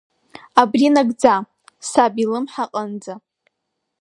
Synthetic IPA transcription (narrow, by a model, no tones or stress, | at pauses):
abrinaɡd͡za | sabilɨmħaqʼənd͡za